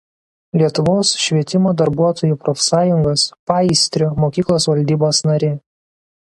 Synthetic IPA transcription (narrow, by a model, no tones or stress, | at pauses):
lʲiɛt̪ʊʋoːsʃʲʋʲiɛt̪ʲɪmoːd̪ɐɾbuɔt̪oːjupɾɔfʲsɑːjʊŋɡɐspɐɪsʲt̪ʲɾʲʊmoːkʲiːklˠoːsʋɐlʲd̪ʲiːboːsnɐɾʲɪ